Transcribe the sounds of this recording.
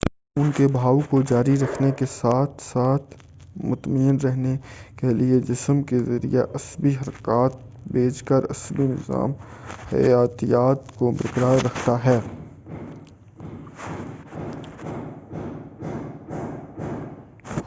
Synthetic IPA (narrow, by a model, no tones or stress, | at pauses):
ʊnkebʱaːwkod͡ʒaːɾiɾɐkʰnekesaːt̪ʰsaːt̪ʰ | mʊt̪məjənɾɛɦnekelied͡ʒɪsəmkezɐɾḭjeʔɐsbiɦɐɾkaːt̪̚ | beːt͡ʃkəɾɐ̰sbinɪ̰za̰ːmhɐ̰jaːt̪ijaːt̪kobɐɾkəɾaːjɾɐkʰt̪aɦɛː